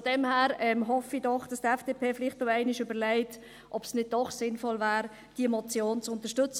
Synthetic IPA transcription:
fɔd̥ɛmhæːɾɛmɦɔfidɔχd̥ɑsd̥ɛfd̥eːpʰeːfɪlɪχtoɛæɪnɪʃʏbəɾlɛɪt | ʔɔbsnɪd̚d̥ɔχsɪnfɔlvæːɾ | d̥iəmɔt͡sjoːnt͡sʊntəʃtʏt͡s

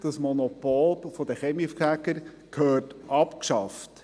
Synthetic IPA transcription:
d̪̥ɑsmɔnɔpɔlpfɔd̪ɛχɛmifkækəɾ | kʰhœːtʔɑpkʃɑft

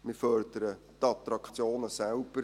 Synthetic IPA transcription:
mɪɾfœrd̥əɾə | t̪ɑt̪ɾɑkʰt͡sjoːnəsɛlb̥əɾ

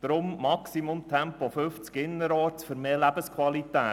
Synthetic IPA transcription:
d̥ɾʊmːɑksimʊmt̪ʰɛmpofʏft͡skɪnːəɾɔːɾt͡sfɵɾmeːlæb̥əskʰwɑlit̪æː

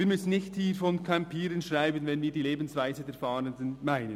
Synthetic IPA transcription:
viːɐmʏsən̩nɪçthiːfɔnkʰampʰiːɾənʃʁaɪbənvɛnviːdiːleːbn̩svaɪzədeːfɑːɾəndənmaɪnən

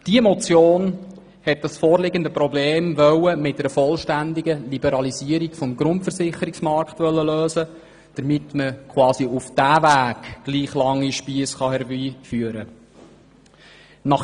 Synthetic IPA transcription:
d̥iəmɔt͡sjoːn | hɛt̚d̥ɑsfɔːɾlɪɡəndəpɾɔbleːmʋœwəmɪt̚ːəɾəfɔlʃtændiɡəlibəɾɑliziəɾiɡfɔmɡɾʊntfəɾsɪχəɾiksmɑɾktʋœlːəløːsə | d̥əɾmɪtməkʰwɑːsiufd̥æːvæːɡ̥ɡ̥liːχlɑŋːiʃpiəsχɑhɛɾbiːfyːəɾə | nɑχ

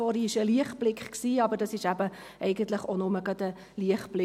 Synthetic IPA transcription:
ɔɾiɪʃəliəχb̥lɪkχksiːɑbəɾdɑsɪʃæbə | ʔɛɪɡənt̪ləχonʊməɡɑt̪ə | liəχb̥lɪ

